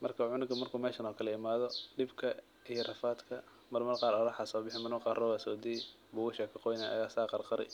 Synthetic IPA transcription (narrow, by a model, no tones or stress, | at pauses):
mɐrkʰɐʕʊnɪɡʰɐmɐrkʰuːmɛːʃɐnɔːkʰɐlɐɪmaːðɔɖɪbkʰɐ | ijrɐfaːd̪kʰɐ | mɐrmɐrqɑːɾɔɾɐħasɔːbɪħɪmɐnɔːqɑːrɔwasɔːd̪iː | bʊʊʃakʰɐqɔjnaʔɐ̰ɣaːsaːqɑrqɑɾɪ̰